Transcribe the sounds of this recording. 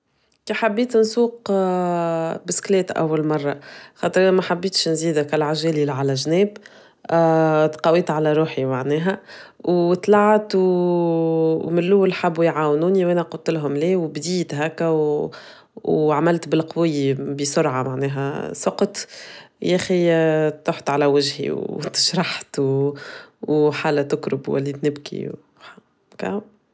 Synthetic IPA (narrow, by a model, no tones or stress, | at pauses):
kiħabːiːt̪nsuːq | bɪsklɛːt̪ʔæ̰wːælmɑrˤːɑxɑːt̪ˤəɾʔnæmæħabːiːt̪ʃnziːd̪ækælʕaʒæːlilʕalæʒnɛːb | t̪qɑwiːt̪ʕalæɾˤuːħimaʕnɛːɦæwt̪lɑʕt̪w | mɪnlːʊwːəlħabːujʕaːwnuːniwʔænæqʊlt̪ɪlɦʊmliːwbd̪iːt̪ɦæːkːæw | wʕamælt̪bɪlqwɪjːibisʊɾʕamaʕnɛːɦæ̰sʊqt̪jæxit̪ːoːħt̪ʕalæwaʒhḭwt̪ɪ̥ʃɾˤɑħt̪w | wħaːlːæt̪ʊkɾʊbwæ̰lːit̪nɪbkḭw | kæ̰